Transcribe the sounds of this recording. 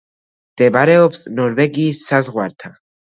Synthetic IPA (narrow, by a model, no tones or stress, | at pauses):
md̪̥ɛbɾɛɔpsnɔɾvɛɡiːsːazʁwaɾt̪ʰa